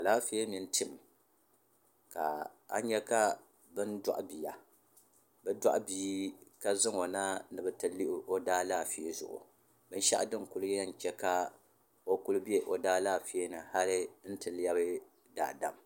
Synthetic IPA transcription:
a˨laː˦fi˦e˦mi˨n˦tɨ˨m˨ | ka̰˨a̰˦ɲɛ˦ka˦ | bɨ˦n˦da̰˦ʔbi˨a˨ | bɛ˦da̰˦ʔbiː˦ka˦zɨ˦ŋo˨na˦nɨ˨bɨ˨tɨ˨li˦ʔɪ˦o˦daː˦laː˦fi˨e˦zʊ̰˨ʔʊ̰˨ | bɨ˦n˦ʃa̰˦ʔdɨ˦ŋku˦lɨ˦ɛ˦n˨t͡ʃɛ˦ka˦ | o˦ku˦lɨ˦bi˦e˦ʔo˨daː˦laː˦˨fi˨e˦nɨ˨ha˦lɨ˦n̩˦tɨ˨lja˦bɨ˦ | da̰˨ʔda̰˨m

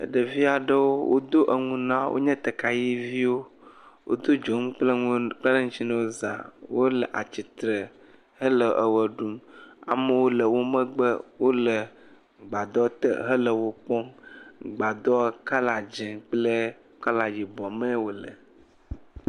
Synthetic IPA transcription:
ə̰˨ɖə˨vi˦a˨ɖə˦wo˦wo̰˦d̪o˦ʔə˨ŋũ˦nã˦wʔo̰˦ɲɛ̃˦t̪ə˨ka˨ji˦vi˦wo˦wʔo̰˦d̪o˦d͡ʒo˨˦ŋ˦k͡plə˦ŋ˦k͡plə˦lə˦ŋũ˦t͡ɕi˦nə˦wo˦za̰˨wo˦lə˨ʔa̰˨t͡ɕi˨t̪ɾə˨ | hə˦lə˨ʔə˨wə˨ɖu˦ma̰˨mə˦wo˦lə˨wo˦mə̃˦ɡ͡bə˦wo˦lə˨ | ɡ͡ba˨d̪ɔ˦t̪ə̰˦˨ɦə˦lə˨wo˦k͡pɔ˦ŋɡ͡ba˨d̪ɔ˦ka˦la˨d͡ʒɛ̃˨k͡plə˦ | ka˦la˨d͡ʑi˨bɔ˨me˦wo˦lə˨

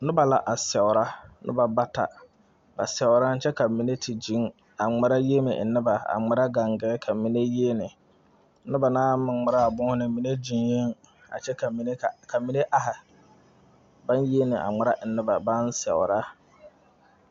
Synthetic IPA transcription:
nʊ̃˦ba˨la˨ʔa˨sɛ˨wʊ˨ɾa˦nʔʊ̰˦ba˨ba˦tʰa̰˨ | ba̰˨sɛ˨ʊ˨ɾa˦n̩˦t͡ʃʰɛ˦ka˨mi˨ne˦tʰi˨d͡ʒĩ˦ŋ | a˨ŋ͡ma˨ɾa˦je˦mɪ̰̃˨nɪ˦ba˨a̰˨ŋ͡ma˨ɾa˦ɡa˨ŋɡɛ˦kʰa˨mĩ˨ne˦je˦nɪ̃˨˦ | nʊ˦ba˨nãː˦mɪ̃˨ma˨ɾa˦a˨bʊ̃˦hʊ˦nɪ̃˨˦mĩ˨ne˦d͡ʒi˨nje˦ŋ | a̰˨t͡ʃʰɛ˦ka˨mĩ˨ne˦˨kʰa˨mĩ˨˦ne˦ʔa˨ha˨ | bã˦nje˦nɪ̃˨ʔa̰˨ŋ͡ma˨˦ɾa˦ʔ̩˨nɪ˦ba˨bã˦n˦sɛ̰˨ʊ˨ɾa˦

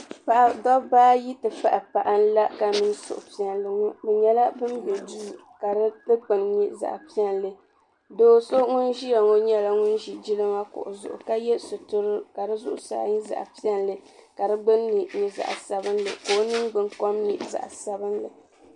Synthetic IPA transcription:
pa˨ʔa˨dɔ˦baː˦ji˦tɨ˨fa˦ʔa˨pa˨ʔa˦n̩˦la˦ka˨mi˦nsʊ̰˨ʔʊ˨pi˦ɛ˨nlɨ˨ŋʊ˦bɛ˨ɲɛ˦la˦bɨ˦nbɛ˨du˦˨ | ka˨˦lɨ˦k͡pɨ˨nɲi˦za̰˨ʔpi˦ɛ˦nlɨ˨ | doː˦so˦ŋu˦nʒi˦ja˨ŋo˦ɲɛ˦la˦ŋʊ˦nʒi˨d͡ʒi˦lɨ˦ma˦kʊ̰˨ʔʊ̰˨zʊ̰˨ʔʊ̰˨ka˦jɛ˦sʊ˨tʊ˦ɾɨ˦ka˨dɨ˦zʊ˦ʔʊ˦sa̰ː˦ɲi˦za̰˨ʔpi˦ɛ˦nlɨ˨ka˨dɨ˦ɡ͡bɨ˦nɲi˨ɲi˨za̰˨ʔsa˦bɨ˦nlɨ̰˨koː˦nɨ˦ŋɡ͡bɨ˨ŋkɔ˦mɲi˦za̰˨ʔsa˨bɨ˦nlɨ˨

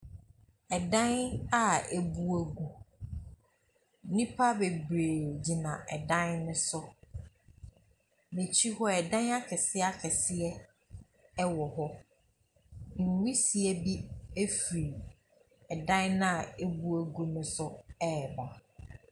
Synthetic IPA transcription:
ɛ˨dã˦na˦e˨bu˦æ˦ɡu˦ | nĩ˦pʰa˦be˨bɾeː˨d͡ʑi˨nã˨ʔɛ˨dã˦nnʊ̃˦sʊ˦ | mẽ˨t͡ɕʰi˦hɔ˦ɛ˨dã˦na˦kʰɛ˨sɪ˦a˦kʰɛ˨sɪ˦ɛ˦ | ɛ˦wɔ˨hɔ˦ | ŋ̩˨wi˦si˨ɛ˨bi˦e˦fi˨ɾi˨ | ɛ˨dã˦nnã˦a˨e˦bu˦æ˨ɡu˦nʊ̃˦sʊ˦ɛ˦˨ba˨

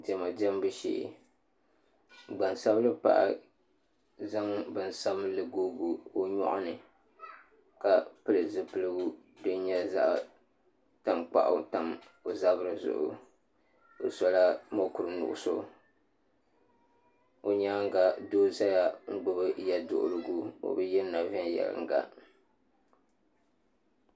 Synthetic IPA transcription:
dɛ˨ma˨dɛ˦m˦bɨ˦ʃḭ˨ʔ | ɡ͡ba˨nsa˦blɨ˦pa̰˦ʔa̰˨ | za˦ŋbɨ˨n̩˨sa˦blɨ˨ɡoː˦ɡu˦o˦ɲɔ̰˦ʔʊ̰˦nɨ˨ | ka˨pɨ˦lɨ˨zɨ˦pɨ˦lɨ˦ɡu˦dɨ˦n˦ɲɛ˦za̰˦ʔ | ta˦˨mk͡pa̰˦˨ʔʊ̰˨˦ta˨m | o˨za˦bɨ˦ɾɨ˨zʊ̰˨ʔʊ̰˨ | do˨sɔ˦la˦mo˦ku˨ɾɨ˦nʊ̰˨ʔʊ̰˦so˦ | o˨ɲaː˦ŋ˦ɡa˨doː˦za˦ja˨ŋ̩˦ɡ͡bɨ˦bɨ˦ja˦dʊ̰˨ʔʊ˨ɾɨ˨ɡu˦o̰˨bɨ˦jɛ˦na˨vɪ˦njɛ̰˨lɨ̰˨ŋ̩˦ɡa̰˦

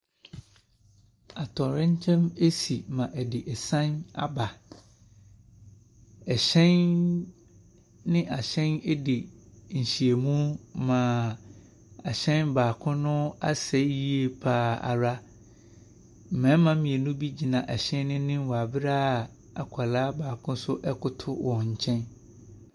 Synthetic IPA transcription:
a˨tʰɔ˨ɾɪ̃˦ɲ˦t͡ɕʰɛ̃˦me˦si˨mã˨ʔɛ˨dɪ˨ʔɛ˨sã˦na̰˦ba˨ | ɛ˨ɕɛ̃˦n | nɪ̃˦ʔa˨ɕɛ̃˦nɛ˦dɪ˨ɲ̩˨ɕi˨e˨mũ˦mã˨ | a˨ɕɛ̃˦nbaː˨kʰʊ̃˦nʊ̃˦a̰˦sɛ˦ji˦e˦pʰaː˦˨a̰˨ɾa˦ | m̩˨mɛ̃˨˦m˦mã˦mĩ˨e˨nũ˦bi˦d͡ʑi˨nã˨ʔɛ˨ɕɛ̃˦n˦nɪ̃˦nɪ̃˦wɔ˨a˨bɪ˦ɾa˦˨ | a˨kʷʰa˨laː˦baː˨kʰʊ̃˦sʊ˦ʔɛ˦kʊ˦tʰʊ˦wʔɔ̃˨ɲ̩˨t͡ɕʰɛ̃˦n

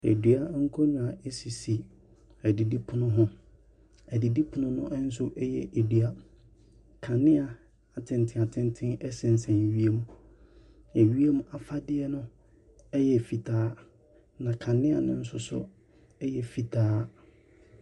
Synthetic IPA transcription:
ḛ˨dɥa˦ŋ̩˦kʰɔ˦ɲũ˨a˨ʔe˦si˨si˨ | æ˨di˨di˦pʰʊ˦nʊ̃˦ɦʊ̃˦ | æ˨di˨di˦pʰʊ˨nʊ̃˦nʊ̃˦n̩˦s̬ʊ˦ʔɛ˦jɛ̰˨ʔe˨dɥa˦ | kʰã˨nɪ̃˦a˨ | a˨tʰɪ̃˨n˨tʰɪ̃˨a˨tʰɪ̃˦n˦tʰɪ̃˦ɛ˦sɪ̃˨n̩˨sɛ̃˨n˨ɥi˦e˦mũ˦ | ɛ˨ɥi˦e˦mũ˦ʔa˨fa˦dɪ˦ɛ˦nʊ̃˦ | ɛ˦jɛ˨fi˨tʰaː˦ | nã˨kʰã˨nɪ̃˦a̰˨nʊ̃˦n̩˦sʊ˦sʊ̰˦ | ɛ˦jɛ˨fi˨tʰaː˦

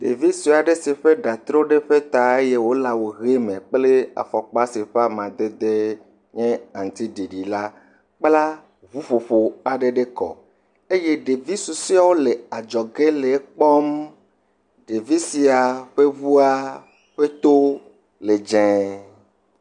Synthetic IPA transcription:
ɖ̪ḛ˨vi˦si˨a˨ɖe˦si˨ɸe˦ɖa˨t̪ɾo˦ɖe˦ɸe˦t̪a˨e˦je˦wo˦la˨wo˨ɣe˦mẽ˨k͡ple˦a̰˨fɔ˨k͡pa˦se˨ɸa˦mã˨d̪e˦d̪e˦ | ɲɛ̃˦ã˨ŋ̩˨t̪i˦ɖi˨ɖi˨la˦ | k͡pla˦ | βu˦ɸo˨ɸo˨a˨ɖe˦ɖe˦kɔ̰˨ | e˦je˦ɖe˨vi˦su˨si˦a˦wo˦le˨a˨d͡ʒɔ˨ɡe˦le˨˦k͡pɔ˦m | ɖe˨vi˦si˨a˨ɸe˦vu˦a˦ | ɸe˦t̪o˦ | le˨d͡ʒɛ̃˨

